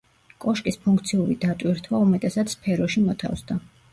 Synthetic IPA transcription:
kʼɔʃkʼispʰuŋkʰt̪sʰiuɾid̪at̪ʼwiɾt̪ʰwaumɛt̪ʼɛsat̪spʰɛɾɔʃimɔt̪ʰa̰fsd̪a

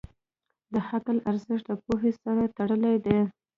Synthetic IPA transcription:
d̪əhaklaɾzɪʂʈ̚d̪əpoɦesaɾat̪aɽəled̪e

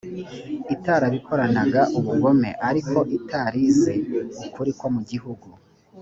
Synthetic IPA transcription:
itaːɾaβikʰo̞ɾanaɡaʔuβuɡo̞me̞̰ʔaɾikʰo̞ʔitaːɾize̞ukuɾikwomuɟiɦuɡu

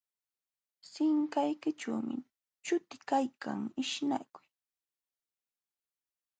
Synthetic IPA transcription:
sɪŋkajkɪʈ͡ʂawmɪ̰ | t͡ʃʊt̪ɪkajkʰa̰ŋɪʃna̰kʊj

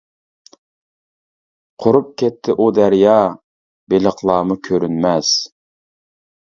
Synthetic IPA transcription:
qʰʊɾup̚kʲʰɛt̪ʰːɪʔud̪æɾjɑː | beləχlˠɑːmʊkʲʰøɾynmɛz̥

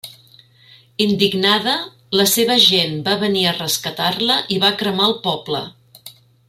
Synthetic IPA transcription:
ind̪iɡnaðə | ləseβ̞əʒenbaβəniərəskət̪arləʔiβakɾəmaəlˠpɔblə̰

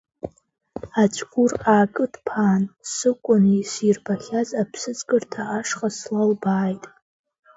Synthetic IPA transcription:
at͡ʃʷʰʼɡʷʊraːkʼɨdpʰaːnsɨkʷʼʊnisirbaχʲazapʰsɨt͡sʼkʼɨrtʰaaʂqʼaslalbaːjtʼ

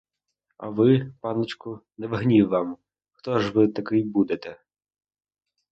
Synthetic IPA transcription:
ɐ̰ʋɪpɑnɪt͡ʃkʊnɛʋɪɦnʲiwːɑm | xt̪ɔʒʋɪt̪ɐkɪjbud̪et̪ɛ

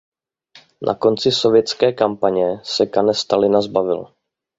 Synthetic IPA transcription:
nʔa̰ko̞nt͡sɪso̞vjɛt̪t͡skɛːkampaɲɛsɛkanɛst̪alɪnazbavɪl

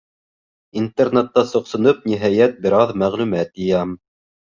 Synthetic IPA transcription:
int̪ernet̪ːɑsŏqsŏnɤp̚niɦæjæt̪̚bɘ̆ɾɑðmæʁlʉmæt̪ɤjɑm

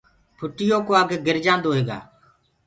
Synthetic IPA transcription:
pʰʊʈɪjoːkoaːɡɡɪɾd͡ʒãːnd̪oːɦeːɡa̰ː

